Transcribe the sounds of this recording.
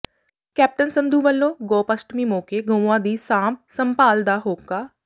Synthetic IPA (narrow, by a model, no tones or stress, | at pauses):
kɛːp̚ʈənsənd̪uːʋəlːõːɡɔːpəsʈmiːmoːkeːɡə̃ãːd̪iːsãːmsəmpaːld̪aːɦoːkaː